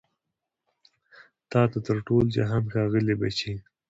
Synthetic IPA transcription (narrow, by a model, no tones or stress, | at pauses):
t̪ɑt̪at̪əɾʈold͡ʒa̰ɦamxɑɣəlebat͡ʃe